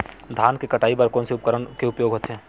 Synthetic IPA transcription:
d̪ʱaːnkekɐʈaːipɐɾkɔːnseʊpkəɾənkeʊpjoːɡɦoːt̪ɦɛ̃ː

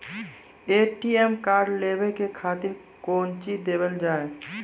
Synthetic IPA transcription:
eʈiemkaɾɖlebekekʰat̪iɾ | kont͡ʃid̪ebəld͡ʒaːe

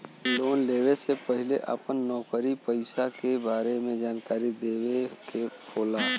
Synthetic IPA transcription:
loːnleːwesepəɦɪleʔə̰pənːɔːkəɾipəɪsakebaːɾemẽd͡ʒaːnkaːɾid̪eːwekebʰoːla

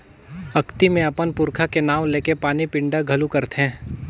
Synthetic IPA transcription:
ɐkt̪imẽɐpənpʊɾkʰakenaːʋ̃leːkepaːnipɪ̃ɳɖaɡʱɐlukɐɾt̪ɦɛ̃ː

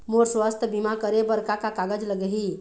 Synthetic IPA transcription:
moɾswəst̪ʰəbimakəɾebəɾkakakaɡəd͡ʒləɡəɦi

